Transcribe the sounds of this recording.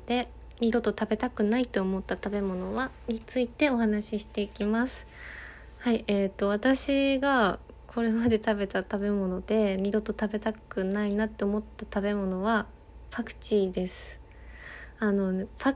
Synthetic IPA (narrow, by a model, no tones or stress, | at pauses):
d̪̥e̞ | ɲ̟id̪o̞t̪o̞t̪abe̞t̪akɯ̟nait̪ːo̞omo̞t̪ːat̪abe̞mo̞no̞βa | ɲ̟it͡sɨit̪e̞o̞hanaɕiɕi̥t̪e̞ikʲimasɨ̥ | haiʔet̪ːo̞β̞at̪aɕiɡa | kʰo̞ɾe̞mad̪e̞t̪abe̞t̪at̪abe̞mo̞no̞d̪e̞ɲ̟ʲid̪o̞t̪o̞t̪abe̞t̪akɯ̟nainat̪ːe̞omo̞t̪ːat̪abe̞mo̞no̞βa | pakɯ̟̥t͡ɕiːd̪e̞sɨ̥ | ano̞pa